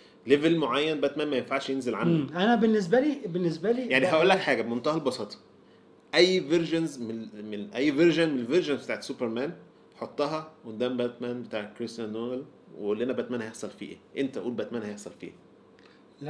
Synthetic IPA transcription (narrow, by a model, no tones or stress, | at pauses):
levelmoʕajːænbæt̪mæːnmæjenfaʕʃjenzelʕanːiʔænæbenːes̬bæliːbenːes̬bæliːjaʕniɦæʔolːækħaːɡæbmont̪æhælbɑsɑːt̪ˤɑ̥ | ʔæjːveɾʒonzmemenʔæjːveɾʒænmenelveɾʒonbet̪aːʕesupeɾmæːn | ħot̪ˤːɑɦɑʔond̪æːmbæt̪mænbet̪aːʕekːɾest̪ænːoel | weolːʔenæbæt̪mæːnhæjeħsˤɑlfḭːʔḛʔent̪æʔuːlbæt̪mæːnhæjeħsˤɑlfḭː